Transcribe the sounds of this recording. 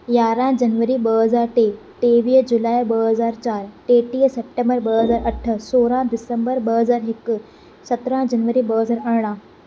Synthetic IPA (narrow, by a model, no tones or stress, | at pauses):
jaːɾãd͡ʒənʋəɾiːbəɦəzaːɾʈe | ʈ̪eʋiːd͡ʒulaːjbəɦəzaːɾt͡ʃaːɾʈeʈiːsep̚ʈẽmbəɾbəɦəzaːɾʔəʈʰːəsoːɾãd̪ɪsə̃mbəɾbəɦəzaːɾɦɪkː | sət̪ɾãd͡ʒənʋəɾiːbəɦəzaːɾəɾɽ̃ã